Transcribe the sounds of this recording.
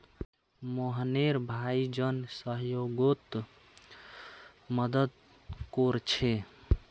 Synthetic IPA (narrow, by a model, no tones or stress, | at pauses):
moɦneɾbʱaid͡ʒənsəɦjoɡot̪ | məd̪əd̪ | koɾt͡ʃʰe